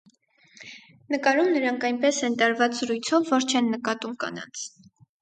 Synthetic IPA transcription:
nəkɑɾumnəɾɑŋkʰɑjnpɛsɛnt̪ɑɾvɑt͡sz̥əɾujt͡sʰɔvːɔɾt͡ʃʰɛnːəkɑt̪umkɑ̰nɑ̰nt͡sʰ

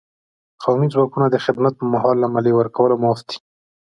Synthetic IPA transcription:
qawmid͡zwɑkunad̪əxɪd̪mat̪̚pmaɦɑlːamalewəɾkawəlomɑst̪i̥

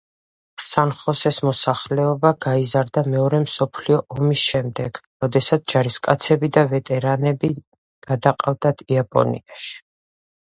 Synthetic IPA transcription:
sanχɔsɛsmɔsaχlɛɔbaɡaizaɾd̪amɛɔɾɛmsɔpʰliɔʔɔmisʃɛmd̪ɛɡ̥ɾɔd̪ɛsat̪sʰd͡ʒaɾiskʼat̪sʰɛbid̪avɛt̪ʼɛɾanɛbi | ɡ̥ad̪aqʼavd̪ad̪ʰiapʼɔ̰nḭaʃi̥

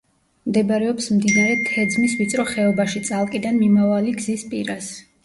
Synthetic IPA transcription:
md̪ɛbɾɛɔpsmd̪inaɾɛt̪ʰɛd̪zmisvit̪sʼɾɔχɛɔbaʃit̪sʼalˠkʼid̪anmimavaliɡzispʼiɾas

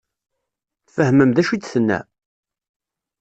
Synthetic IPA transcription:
θfəhməmðæʃit͡sːθənːæ̰

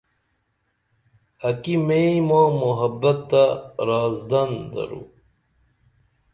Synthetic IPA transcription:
ɐkimeimõːmoɦɐbːɐt̪ːaɾaːzd̪ɐnd̪ɐ̰ɾṵ

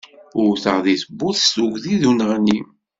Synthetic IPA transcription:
ʊɾθəʁðiθəbːʊθst̪uɡðiðunəʁni

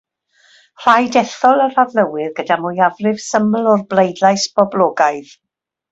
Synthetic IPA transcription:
r̥ajdɛθɔlˠəravləwɪðɡədamʊjavrɪv̥səmlˠɔrblˠejdlˠajsb̥ɔblˠɔːɡaɨð

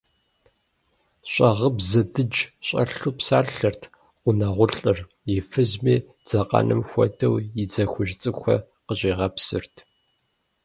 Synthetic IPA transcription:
ɕʼɐʁəbzɐdɨd͡ʒɕʼɐɬuːpsaːɬɬɐrtʰ | qʷʊnɐʁʷʊɬʼɨr | jɪfɨzmiː | d͡z̥ɐqʼɐ̰nʔɨmxʷɔ̰dɐwjɪd͡zɐxʷʊʒt͡sʼɨxʷɐ̰ | qəɕʼiːʁɐpsɨrtʰ

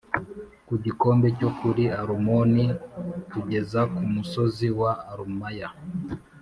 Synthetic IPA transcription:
kuɟikɔmbɛt͡ʃɔkuɾiaɾumɔnikud͡ʒɛzakumusɔziwaːɾumaja

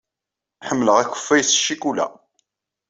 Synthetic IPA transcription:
ħəmːələʁæçə̥fːæjsʃːikulæ̰

